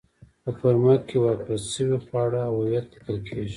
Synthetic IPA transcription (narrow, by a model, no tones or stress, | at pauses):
pəfaɾmakːewaɾpasʃəwixwɑɽaːwawjat̪lɪkəlkʰeʒi